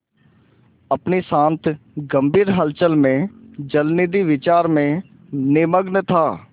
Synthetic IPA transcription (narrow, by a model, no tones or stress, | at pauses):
əpnisãːnt̪ʰɡəmbʱiːɾɦəlt͡ʃəlmẽd͡ʒəlnid̪iʋɪt͡ʃaːɾmẽ | neməɡnt̪ʰaː